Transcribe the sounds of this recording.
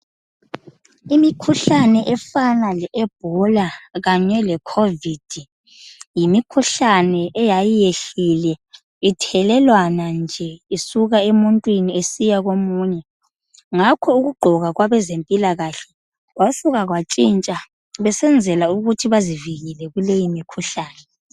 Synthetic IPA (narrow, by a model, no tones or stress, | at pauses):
imikʰuɬanɛʔɛfanalɛɛb̥̚ʱɔlaɣaɲɛlɛkʰovid̥ʱi | jimikʰuɬanɛʔɛjajijeɬilɛ | itʰɛlɛlwanand͡ʒʱɛisuɣaemuntʼwiniesijaɣomuːɲɛ | ŋakʰɔuɣuɡ͡ǃʱɔɣaɣwaβɛzempʼilaɣaɬɛ̥ | ɣwasuɣaɣwat͡ʃʼint͡ʃʼa | βɛsɛnd͡zʱɛlauɣutʰiβaziviɣilɛɣulejimikʰuɬaːnɛ